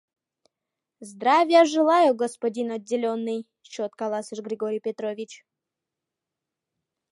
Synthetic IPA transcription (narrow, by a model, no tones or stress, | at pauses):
zd̪ɾavʲjəʐɨlˠajʊɡɔspɐdʲinɔdʲːɪlʲonːɨj | t͡ɕot̪kalˠasɨʂɡɾʲɪɡoɾʲijpʲet̪ɾovʲit͡ɕ